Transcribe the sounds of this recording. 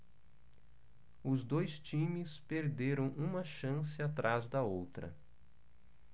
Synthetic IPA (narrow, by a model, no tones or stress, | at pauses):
ʊzd̪ojst͡ʃĩmɪspeɾd̪eɾɐ̃w̃ʔũmɐʃɐ̃sɪat̪ɾazd̪ɐowt̪ɾɐ̰